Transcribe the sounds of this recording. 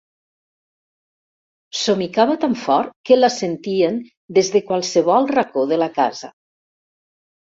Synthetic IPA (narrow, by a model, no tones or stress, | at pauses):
somikaβat̪aɱfɔɾkəlasent̪ien | d̪ezðekwalˠseβ̞ɔlˠrakoðəlaka̰za